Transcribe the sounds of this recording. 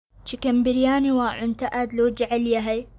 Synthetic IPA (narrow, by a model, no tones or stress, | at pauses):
t͡ʃikɐmbɪɾjaːniwaːʕʊnt̪aʔad̪loːd͡ʒaʕaljaɦaj